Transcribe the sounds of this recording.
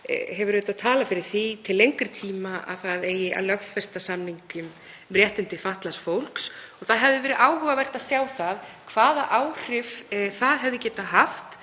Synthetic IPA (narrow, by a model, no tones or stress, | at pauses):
hɛvʏɾeːt̪aðt̪ʰaːlafɪɾɪɾ̥θit̪ʰɪlːejŋkʏɾ̥t̪ʰiːmaʔa̰ðθaðeːjɪʔa̰wlœxfɛst̪asamniŋkʏm | ɾjɛht̪ɪnt̪ɪfaht̪lasfowl̥ksɔɣθaðɦɛvðɪvɛːɾɪðaːwhʏvavɛr̥t̪aðsjaːwθaðkʰv̥aːðaʔaːwr̥ɪfθaðɦɛvðɪcɛːt̪aɦaft̪